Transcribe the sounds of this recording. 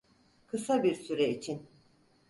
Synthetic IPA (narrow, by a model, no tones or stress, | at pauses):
kʰɯsabiɾsyɾɛit͡ʃʰin